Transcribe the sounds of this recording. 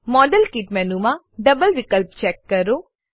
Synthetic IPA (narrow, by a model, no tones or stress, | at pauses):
mɔːɖəlkiːʈmɛnumã | ɖɐbəlʋɪkəlp̚t͡ʃɛːkːɐɾoː